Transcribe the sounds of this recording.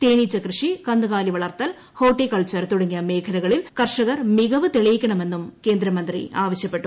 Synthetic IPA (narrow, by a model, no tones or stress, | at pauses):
t̪eːnit͡ɕːɐkrɨʂikɐnd̪uɣaːliʋɐɭɐrt̪ːɐl | hoːʈːikɐɭt͡ɕɐɾt̪uɽɐŋːijɐme̞ːkʰɐɾɐɣɐɭilkɐrʂɐɣɐrmiɣɐʋɨt̪eɭɐjikʲːɐɳɐme̞nːumke̞ːnd̪ɾɐmɐnd̪rḭaːʋɐɕjɐpːe̞ʈːu